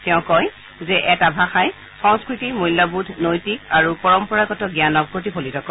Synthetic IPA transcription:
tɛʊ̃kɔj | zɛʔɛtabʱaxaj | xɔ̃ŋskɹitimujlːabudʱnojtikaɹupɔɹɔmpɔɹaɡɔtɔɡjanɔk̚pɹot̬ipʰolitɔkɔ

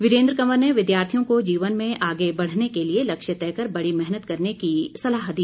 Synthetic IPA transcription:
ʋɪɾẽːnd̪ɾəkɐməɾneʋɪd̪jaːɾt̪ʰijõkod͡ʒiːʋənmẽʔaːɡebɐɽ̤nekelielɐkʃjət̪ɛːkəɾbɐɽimɛɦnət̪kɐɾnekisɐlaːɦd̪iː

